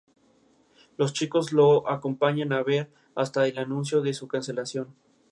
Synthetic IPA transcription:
lo̞st͡ʃiko̞zlo̞ʔako̞mpaɲanaβe̞ɾ | ast̪aelanũns̬jo̞ðe̞sukanse̞lasjo̞n

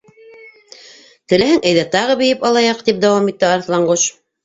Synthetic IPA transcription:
t̪ɘ̆læhɘŋʔæjðæt̪ɑʁɤβɘ̆jɘpɑlˠɑjɑq̚t̪ip̚d̪æwɑmit̪ːɘɑɾθlˠɑɴɢoʃ

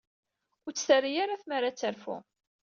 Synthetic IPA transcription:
ʊɾt͡sːθərijaɾaθmaɾat͡sːəɾfṵ

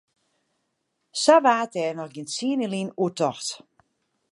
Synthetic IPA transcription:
saʋaːtɛːrnɔxɡiəntsiənilinuətɔxt

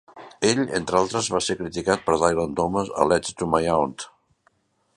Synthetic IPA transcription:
eʎḛnt̪ɾəalˠt̪ɾəzβasekɾit̪ikat̪̚pəɾðajlənt̪ɔməzə̰lɛt͡ʃt̪umajawnt̪

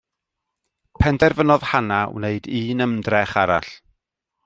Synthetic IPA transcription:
pʰɛndɛrvənɔð̥hanawneɨdiːnəmdrɛχaɾa̰ɬ

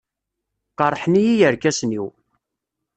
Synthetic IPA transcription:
qɑɾˤħnijijəɾkæsniw

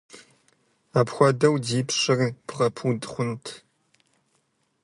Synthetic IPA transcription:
aːpxʷɔdɐwdiːpɕɨrb̥ʁɐpʰudʼχʷʊntʰ

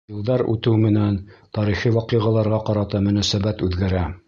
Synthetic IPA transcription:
jɤ̆lˠd̪ɑɾʉ̰t̪ɘwmɘ̆nænt̪ɑɾiχiwɑqiʁɑlˠɑɾʁɑqɑɾɑt̪ɑmɵ̆næsæbæt̪ʉðɡæɾæ

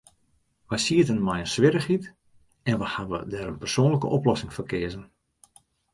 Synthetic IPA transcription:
ʋajsiətənmajənsʋɪɾəxit | ɛnʋəhaʋə̰dɛːɾənpərsoːnləkə̰ʔɔplɔsɪŋfərkɪəzən

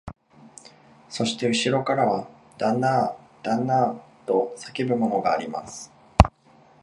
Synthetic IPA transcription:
so̞ɕi̥t̪e̞ɯ̟ɕiɾo̞kaɾaβa | d̪̥anːa | d̪̥anːat̪o̞sake̞bɯ̟mo̞no̞ɡa̰ːɾʲima̰sɨ̥

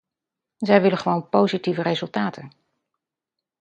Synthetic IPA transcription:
zɛjʋɪləχəʋownpowzitivəɾejzɵlˠtaːtən

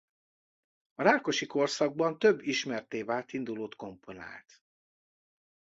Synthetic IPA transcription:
ɒɾaːlko̞ʃiko̞rsɒɡ̚bɒnt̪øbːiʃmɛrt̪eːvaːlt̪ind̪uloːt̪ko̞mpʰo̞na̰ːlt̪

